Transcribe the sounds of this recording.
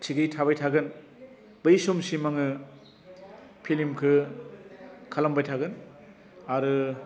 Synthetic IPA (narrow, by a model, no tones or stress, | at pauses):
tʰiɡɯjtʰabajtʰaɡɯn | bɯjsomsimaŋɯ | pʰilimkʰɯ | kʰalambajtʰaɡɯn | aɾɯ